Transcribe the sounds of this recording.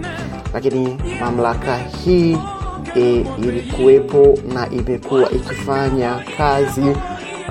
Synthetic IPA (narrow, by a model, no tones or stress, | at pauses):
lakinimam̩lakahiː | likuwɛpɔnaʔimɛkuwa̰ʔikifaɲakʰazi